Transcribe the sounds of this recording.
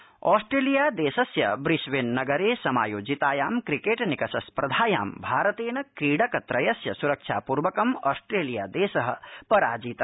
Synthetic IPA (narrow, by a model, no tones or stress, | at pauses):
ɔːsʈɾeːlijaːd̪eːsɐsjɐ̰bɾisʋenːɐɡɐɾeːsɐma̰ːjoːd͡ʒit̪aːjaːmkɾikeːʈnikɐsɐspɾɐd̪ʱaːja̰ːmbʱaːɾɐt̪eːnɐkɾiːɽɐkɐt̪ɾɐjɐsjɐsuɾɐkʃʰa̰ːpuːɾʋɐkɐmɔːsʈɾeːlijaːd̪eːsɐɦɐ̆pɐɾaːd͡ʒiːt̪